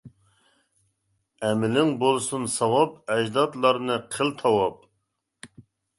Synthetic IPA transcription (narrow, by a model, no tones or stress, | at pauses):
ɛmɪlɪŋbolˠsunsɑwɑpɛd͡ʒd̪ɑt̪lˠɑɾnɨqʰəlt̪ʰɑwɑp̚